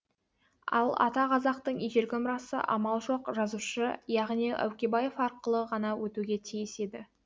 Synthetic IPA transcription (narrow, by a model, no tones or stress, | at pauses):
ɑ̰lˠɑ̰t̪ɑqʰɑzɑqt̪əɴiʒe̞ɾɡʲɪmʊɾɑsə̰ʔɑmɑlˠʒo̞qʒɑzuʃəjɑʁniʔæ̰wkʲebɑje̞fɑɾqəlˠəʁɑnɑwʔɵt̪uɡʲe̞t̪ʰijɪse̞d̪ɪ